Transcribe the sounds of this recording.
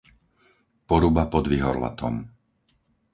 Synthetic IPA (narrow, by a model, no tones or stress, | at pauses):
pɔɾubapɔd̪ʋiɦɔɾla̰t̪ɔ̰m